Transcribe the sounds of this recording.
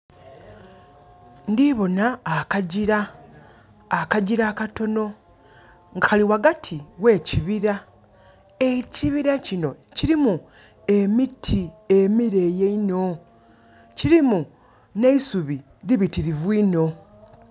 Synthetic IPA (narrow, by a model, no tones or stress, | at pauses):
ndiβo̞naːkaɟiɾa | kaɟiɾaːkato̞no̞ | ŋɡaxaliwaɡatʰiwe̞ːciβiɾa | e̞ciβiɾacino̞ciɾimu | e̞mitʰiemiɾe̞jeino̞ | ciɾimu | ne̞isuβi | ɾiβitiɾivwiːno̞